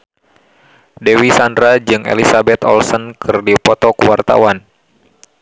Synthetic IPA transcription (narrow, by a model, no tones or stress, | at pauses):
dɛwisandɾad͡ʒɨŋḛlisabɛt̪ɔ̰lsɔnkʰɨrdipɔt̪ɔkuwart̪a̰wan